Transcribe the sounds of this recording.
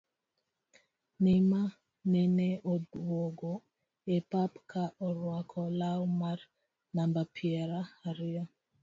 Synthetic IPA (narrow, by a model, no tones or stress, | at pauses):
nima | nɛneodwoɡo | epapkaʔɔɾwakʰɔlawmar | nambapʰiɛɾaaɾɪa